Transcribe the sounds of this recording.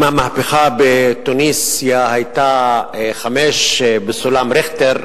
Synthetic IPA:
mamahpeχabet̪unisjahajt̪aχameʃbesolamɾeχt̪eɾ

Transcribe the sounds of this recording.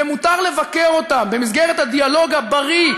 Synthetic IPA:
emut̪aʁle̞vakeʁo̞t̪ambe̞mizɡeʁet̪had̪ialo̞ɡabaʁi

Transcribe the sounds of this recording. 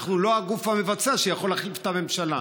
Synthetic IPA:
χnulo̞aɡufhame̞vat͡seaaʃejaχo̞laχlift̪ame̞mʃala̰

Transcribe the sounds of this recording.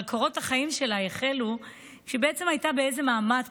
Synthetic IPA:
kʰoʁo̞thaχaimʃe̞lajeχelu | ʃebeet͡se̞majtabeejze̞maːmat

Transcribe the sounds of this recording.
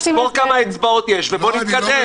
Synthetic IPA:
kolkamaet͡sbao̞t̪jeʃvebo̞nit̪̚kad̪e

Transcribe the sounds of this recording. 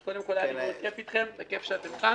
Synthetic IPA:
kod̪e̞mkolat̪iot̪kefit̪χemt̪akefʃeat̪emka

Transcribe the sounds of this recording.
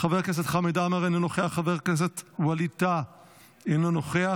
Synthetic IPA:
χaveʁkeset̪χamed̪ameʁaninoχeaχaveʁkes̬et̪walit̪a | enanoχea

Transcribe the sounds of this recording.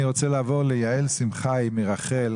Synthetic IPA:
iʁot͡selaːvo̞ʁlejaelsimχajmeʁaχel

